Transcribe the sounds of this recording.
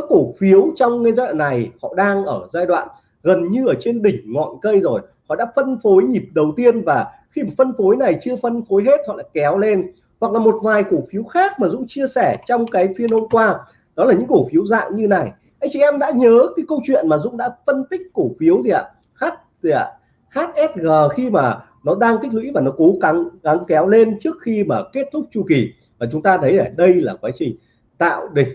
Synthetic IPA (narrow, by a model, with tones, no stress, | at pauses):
ko˧˩fi˨˦əwt͡ɕɔ˧wŋ͡mŋə˧jzaː˧jɗwa̰ː˨nːa˨˩jhɔ̰˧˨ɗaː˧ŋʔəː˧˩zaː˧jɗwa̰ː˧˨n | ɣə˨˩nɲɨ˧ʔəː˧˩t͡ɕe˧nɗï˨˩ŋ̟ŋɔ̰˧˨nkə˧jzo˨˩j | hɔ̰˧˨ɗa̰ː˧˥fə˧nfo˨˦jɲi˨˩p̚ɗə˨˩wt̪i˧ənvaː˨˩ | xi˧˨˩fə˧nfo˨˦jna˨˩jt͡ɕɨ˧əfə˧nfo˨˦jɦe˦˥t̚hɔ̰˧˨ɗaː˧˥kɛ˨˦wle˧n | hwa˨˩k̚laː˨˩mo˨˩t̚vaː˨˩jko˧˩fi˨˦əwxaː˦˥k̚maː˨˩zʊ̰˧˥ŋ͡mt͡ɕi˧əsɛ˧˩t͡ɕɔ˧wŋ͡mkaː˨˦jfi˧ənho˧mkwaː˧ | ɗɔ˨˦laː˨˩ɲɨ̰˧˥ŋku˧˩fi˨˦əwza̰ː˧˨ŋɲɨ˧na˨˩j | ʔa˧jŋ̟t͡ɕḭ˧˨ʔɛ˧mɗa̰ː˧˥ɲəː˨˦kaː˨˦jkə˧wt͡ɕwḭ˧˨ənmaː˨˩zʊ̰˧˥ŋ͡mɗa̰ː˧˥fə˧nt̪ï˦˥k̟̚ku˧˩fi˨˦əwt̪ʰi˨ʔa̰ː˧˨˩ | haː˦˥t̚a̰˨˩ | haː˦˥t̚ʔɛ˦˥t̚ɣəː˨˩xi˧maː˨˩ | nɔ˨˦ɗaː˧ŋt̪ʰï˦˥k̟̚lwḭ˧˥vaː˨˩nɔ˨˦ko˨˦ɣa˨˦ŋɣa˨˦ŋkɛ˨˦wle˧nt͡ɕɨ˦˥ək̚xi˧maː˨˩ke˦˥t̚t̪ʰʊ˦˥k͡p̚t͡ɕu˧˩ki˨˩ | maː˨˩t͡ɕʊ˨˦ŋ͡mt̪aː˧t̪ʰə˨˦jlaː˨˩ɗə˧jlaː˨˩kwaː˨˦t͡ɕï˨˩ŋ̟ | t̪a̰ː˧˨wɗï˨˩ŋ̟